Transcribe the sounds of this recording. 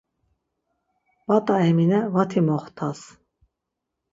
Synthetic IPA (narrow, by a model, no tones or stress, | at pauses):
bat̪ʼaɛminɛvat̪ʰimɔχt̪ʰas